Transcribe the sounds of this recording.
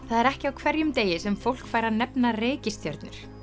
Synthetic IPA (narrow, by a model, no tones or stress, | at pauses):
θaðɛɾɛhcɪawkʰvɛɾjʏmt̪eːjɪsɛmfowl̥kfaːjɾanɛpnareːcɪst̪jœɾt̪nʏɾ̥